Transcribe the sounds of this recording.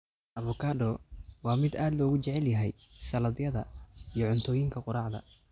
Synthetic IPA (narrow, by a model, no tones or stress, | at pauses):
ʔɐβʊkʰaːd̪ɔwɑːmɪd̪aːd̪lɔːɣʊt͡ʃɛʕɛljɐɦɛ̰jsɐlɐd̪jɐðɐijɞʕʊnt̪ʰɔːjɪŋkʰɐqʊɾɑːʕd̪ɐ̰